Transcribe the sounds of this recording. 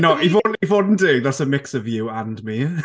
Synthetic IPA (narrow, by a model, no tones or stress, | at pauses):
nɔʔivoːdnivoːdn̩d̥ɪːɡ̚ðasəmɪksəvjuəndmi